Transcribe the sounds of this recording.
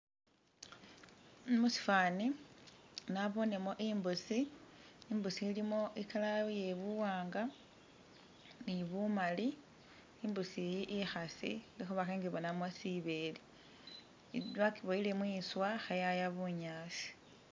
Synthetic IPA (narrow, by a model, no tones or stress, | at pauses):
musi̥fani | naβo̞ne̞mo̞ʔimbusiː | mbusiːlimo̞ʔikalaje̞βuwaːŋɡa | niβumali | imbusijiʔixasḭlixuβaxeŋɡiβo̞namosiβe̞li | wakiβoilemwiːswaxajajaβuɲaːsi̥